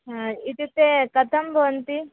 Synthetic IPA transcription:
it̪it̪ːekɐt̪ʰɐmbɐʋɐnt̪i

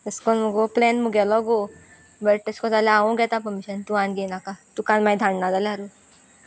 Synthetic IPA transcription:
t̪əskɔnməɡoplɛnmuɡɛlɔɡo | bəʈ̚ʈəskɔ̃t̪alɛaʋõɡʱɛt̪ãpəmiɕənt̪uãnɡenakat̪ukãnmajd̪ʱãɳnad̪alaɾu

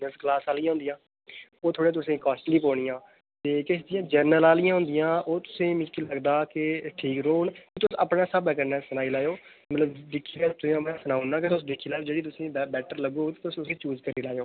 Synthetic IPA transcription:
nəsklaːsaːlijãɦʊ̃nd̪ɪjãː | oːt̪ʰoːɽẽãːt̪ʊsĩːkaːsʈliːpoːɽ̃ɪjãː | t̪eːkɪsd̪ɪjãːd͡ʒəɾnəlaːlɪjãːɦʊ̃nd̪ɪjãːʔoːt̪ʊ̥sĩːmɪ̃d͡ʒkiləɡd̪aːkɪʈʰiːkɾoːnkɪt̪ʊsəpnaːsəbɛːkəɾnɛːsənaːiːlaːjoː | mət̪ləbd̪ɪkʰːiːlaːt̪ʊsĩmɛ̃ːsənaːunãːket̪ʊsd̪ɪkʰːiːlaːjoːd͡ʒeːɽiːt̪̬ʊsĩːɛbɛːʈəɾləɡoːt̪eːt̪ʊsʊsĩːt͡ʃuːd͡ʒkəɾiːlaːjoː

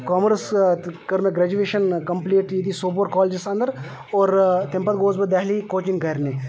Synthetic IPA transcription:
kɔːmɾəskəɾmẽɡɾɛːd͡ʒueːʃənkɐmpliːʈjid̪isoːboːɾkɔːld͡ʒɪsɐ̃nd̪əɾ | ɔːɾt̪ɪ̃mpət̪̚ɡoːzbəd̪ɛɦlikoːt͡ʃɪŋɡɐjɾneː

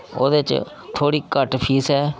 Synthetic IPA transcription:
o̰ːd̪eːt͡ʃ | t̪ʰoːɽiːkəʈpʰiːsɛː

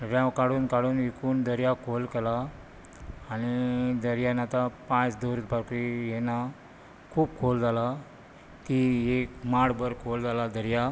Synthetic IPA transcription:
ɾjãwkaɽuːnkaɽuːnʋikʰuːnd̪əɾjakʰolkɛlaː | ñid̪əɾjanat̪apãt͡sd̪oɾut̪paɾkijɛna | kʰuːb̚kʰold͡zʱala | t̪iekmaɽbəɾkʰold͡zalad̪əɾja

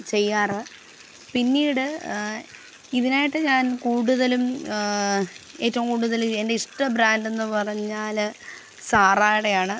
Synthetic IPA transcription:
t͡ɕe̞jːaːrɨ | pinːiːɽɨ | iðinaːjiʈːɨɲaːnkuːɽuðɐlum | e̞ːtːɐʋɐŋkuːɽuðɐluende̞iʂʈɐbɾaːnde̞nːɨpɐrɐɲːaːl | saːraːjɽe̞jaːɳɨ

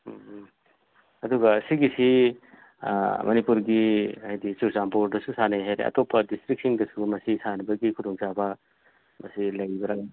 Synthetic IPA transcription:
ɐduɡɐsiɡisi | mɐnipuɾɡiajdit͡ʃusampoɾdɐsusanajɦajɾḛɐ̰topːɐdistɾik̚siŋdɐsumɐsisanɐbɐɡikʰudoŋsabɐ | mɐsilɐjibɐɾaɡa

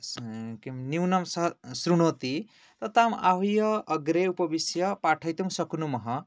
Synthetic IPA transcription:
kimniwnʌmsʌɦsrunot̪i | t̪ʌt̪amaɦujʌːɡɾeupʌbisjʌpaʈʰʌjt̪umsʌknumʌɦʌ

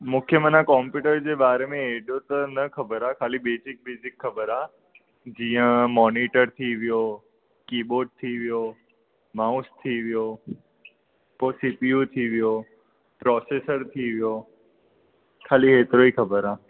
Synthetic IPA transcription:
mũkʰjəmənãkɔ̃ːmpjuːʈəɾd͡ʑeːɓaːɾemẽeːɗjot̪ɐnɐkɐbəɾaːkʰaːlibeːsɪk̚beːsɪkxɐbəɾaː | d͡ʑiːə̃mɔːniːʈəɾt̪ʰiʋijo | kiːboːɖ̚t̪ʰiʋijo | maːʊst̪ʰiʋijo | posiːpijut̪ʰiʋijo | pɾɔːseːsəɾt̪ʰiʋijo | kʰaːliɦeːt̪ɪɾoiːxʰɐbəɾaː

